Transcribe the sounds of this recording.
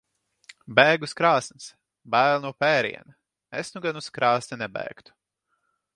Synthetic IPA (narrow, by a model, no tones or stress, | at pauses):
bɛːɡuskɾaːsns | bæːlˠnuɔpɛːɾḭɛnɐ | esnuɡanuskɾaːsnʲɛnɛbɛ̰ːkt̪u̥